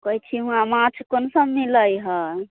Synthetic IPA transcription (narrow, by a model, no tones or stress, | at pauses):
kəit͡ʃʰiɦũãmãt͡ʃʰkonsəbmiləjɦə